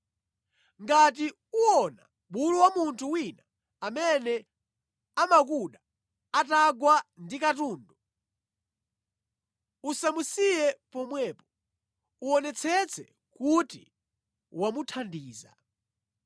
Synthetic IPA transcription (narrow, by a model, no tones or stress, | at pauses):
ŋɡati | uɔna | ɓuluwamuntʰuwinaː | mɛnɛ | amakuɗa | ataɡwandikatuːndu | usamusijɛpɔmwɛːpɔ̥ | uɔnɛt͡sʰɛt͡sʰɛ | kuti | wamutʰandiːza̰